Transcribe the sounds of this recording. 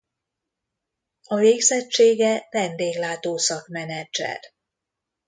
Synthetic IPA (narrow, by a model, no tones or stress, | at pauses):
ɒveːɡzɛt͡ʃt͡ʃːeːɡɛvɛnd̪eːɡlaːt̪oːsɒkmɛnɛd͡ʒɛ̰r